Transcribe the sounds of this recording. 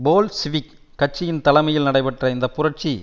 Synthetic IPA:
boːlsɪʋɪkː | ɐʈ̚t͡ʃːɪjɪnt̪ɐlɐɪmɐjɪlnɐɽɐɪpɐʈrɐɪnd̪ɐpʊrɐʈ̚t͡ʃi

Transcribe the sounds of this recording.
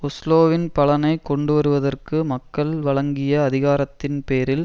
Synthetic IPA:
ʊsloːʋɪnpɐɭɐnɐɪkɔɳɖɯʋɐɾɯʋɐðɐrkɯmɐkːɐɭʋɐɭɐŋɡɪjɐːðɪɣaːɾɐt̪ːɪnpeːɾɪl

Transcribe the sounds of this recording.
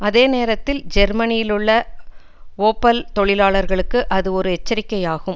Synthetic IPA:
ɐðeːneːɾɐt̪ːɪld͡ʒɛɾmɐnɪjɪlɯɭːɐ | oːpːɐlt̪ɔɭɪlaːɭɐɾɣɐɭɯkːɯʔɐðɯɔɾɯɛt͡ʃːɐɾɪkːɐjaːɣɯm

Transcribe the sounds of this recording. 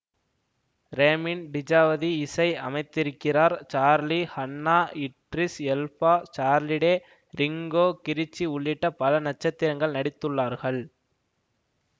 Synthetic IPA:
ɾeːmɪnɖɪd͡ʒaːʋɐðiɪsɐɪɐmɐɪt̪ːɪɾɯkːɪraːɾt͡ʃaːɾlihɐnːaːɪʈɾɪsɛlfaːt͡ʃaːɾlɪɽeː | ɾɪŋɡoːkɪɾɪt͡ʃːiʊɭːɪʈːɐpɐlɐnɐt͡ʃːɐt̪ːɪɾɐŋɡɐɭnɐɽɪt̪ːɯɭːaːɾɣɐɭ

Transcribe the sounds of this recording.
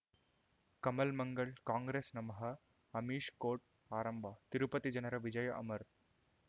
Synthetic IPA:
kɐmɐlmɐŋɡɐɭkaːŋɡɾeːsnɐmɐɦɐ | ɐmiːʂkoːʈ̚ | aːɾɐmbʱaːt̪iɾupɐt̪id͡ʒɐnɐɾɐʋɪd͡ʒɐjɐʔɐmɐɾ

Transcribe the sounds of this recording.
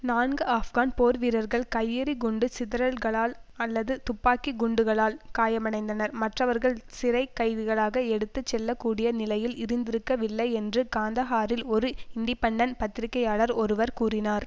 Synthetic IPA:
naːnɡɯaːfɡaːnpoːɾʋiːɾɐɾɣɐɭkɐjːɪɾiɡʊɳɖɯsɪðɪɾɐlɣɐɭaːlɐlːɐðɯt̪ʊpːaːkiɡʊɳɖɯɣɐɭaːlkaːjɐmɐɳɐɪnd̪ɐnɐɾmɐʈrɐʋɐɾɣɐɭsɪɾɐɪkːɐɪðɯɣɐɭaːɣɐɛɽɯt̪ːɯt͡ʃːɛlːɐkːuːɽɪjɐnɪlɐjɪlɪɾɯnd̪ɪɾɯkːɐʋɪlːɐɪɛndrɯkaːnd̪ɐɣaːɾɪlɔɾɯɪɳɖɪpɐɳɖɐnpɐt̪ːɪɾɪkːɐjaːɭɐɾɔɾɯʋɐɾkuːrɪnaːɾ

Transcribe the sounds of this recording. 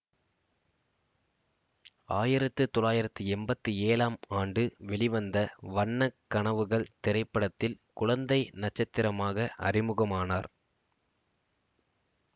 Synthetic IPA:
aːjɪɾɐt̪ːɯt̪ɔlaːjɪɾɐt̪ːɯɛmbɐt̪ːɯeːlaːmaːɳɖɯʋɛɭɪʋɐnd̪ɐʋɐɳːɐkːɐɳɐʋɯɣɐɭt̪ɛɾɐɪpːɐɽɐt̪ːɪlkʊɻɐnd̪ɐɪnɐt͡ʃːɐt̪ːɪɾɐmaːɣɐʔɐ̰rɪmɯɣɐmaːnaːɾ

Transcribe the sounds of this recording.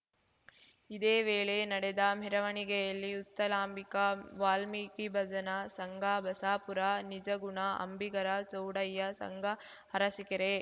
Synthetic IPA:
id̪eːʋeːɭenɐɽed̪ɐmiɾɐʋɐɳiɡɛjɐlːiust̪ɐlaːmbikɐʋaːlmikibɐd͡ʒɐnɐsɐŋɡʱabɐsaːpuɾɐnid͡ʒɐɡuɳɐʔɐ̰mbiɡɐɾɐsowɽɐjːɐsɐ̰ŋɡʱɐ | ɐɾɐsikɐɾe

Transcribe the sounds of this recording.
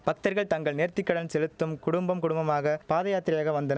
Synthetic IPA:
pɐk̚t̪ɐɾɣɐɭt̪ɐŋɡɐɭneːɾt̪ɪkːɐɽɐnsɛlɯt̪ːɯmkʊɽʊmbɐmkʊɽʊmbɐmaːɣɐpaːðɐjaːt̪ɪɾɪjaːɣɐʋɐnd̪ɐn

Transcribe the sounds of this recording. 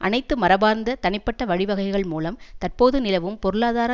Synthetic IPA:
ʔɐ̰nɐɪt̪ːɯmɐɾɐbaːɾnd̪ɐt̪ɐnɪpːɐʈːɐʋɐɻɪʋɐɣɐɪɣɐɭmuːlɐmt̪ɐrpoːðɯnɪlɐʋɯmpɔɾɯɭaːðaːɾɐ

